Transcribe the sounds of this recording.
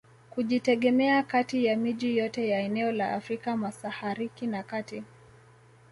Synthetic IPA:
kuʄitɛɠɛmɛakatijamiʄijɔtɛjaɛnɛɔlaa̰fɾikamasahaɾikinakati

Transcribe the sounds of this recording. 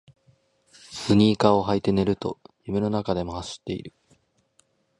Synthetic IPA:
sɨɲ̟iːkao̞ɦait̪e̞ne̞ɾɯ̟t̪o̞̰jimeno̞nakad̪e̞mo̞haɕi̥t̪ːe̞ḭɾɯ̟

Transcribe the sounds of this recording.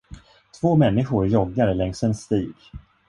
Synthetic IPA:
t̪ʰv̥oːmɛnːɪɧʊɾjɔɡːaɾəlɛŋsɛnst̪iːɡ

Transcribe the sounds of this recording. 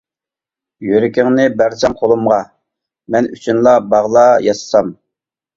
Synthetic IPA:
jøɾɪkʲɪŋnɪbæɾsɛmqʰolˠumʁɑ | mɛnyt͡ʃʰynlˠɑbɑʁlˠɑjɑsɨ̥sɑm

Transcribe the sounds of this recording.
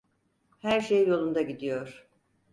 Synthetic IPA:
hæɾʃejjo̞lˠund̪aɟid̪ijo̞ɾ̥

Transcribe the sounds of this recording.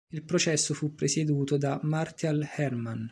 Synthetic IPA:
ilpɾot͡ʃɛsːofupːɾesed̪uːt̪od̪amart̪jalhɛrman

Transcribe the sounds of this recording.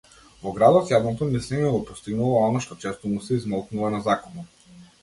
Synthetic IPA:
vɔɡɾad̪ɔt̪jad̪nɔt̪ɔnisɛɲɛɡɔpɔst̪iɡnulˠɔɔnaʃt̪ɔt͡ʃɛst̪ɔmusɛizmɔlˠknuvanazakɔnɔ

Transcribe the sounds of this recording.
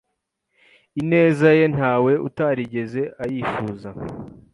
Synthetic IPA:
ine̞ːzaje̞n̥haːwe̞ʔṵtaɾiɟe̞ze̞ʔajiːfuːza

